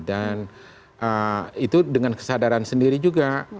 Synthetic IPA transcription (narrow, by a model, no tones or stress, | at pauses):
dan | ʔəit̪udəŋankə̥sadaɾansəndiɾid͡ʒuɡa